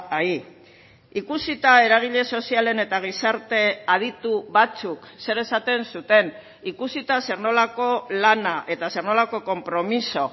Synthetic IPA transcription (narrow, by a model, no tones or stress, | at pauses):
ai | ikusit̪ae̞ɾaɣ̞iʎe̞so̞siale̞ne̞t̪aɣ̞isaɾt̪e̞að̞it̪uβat͡sukse̞ɾe̞sat̪e̞nsut̪e̞n | ikusit̪ase̞ɾno̞lako̞lanaʔe̞t̪ase̞rno̞lako̞ko̞mpɾo̞miso̞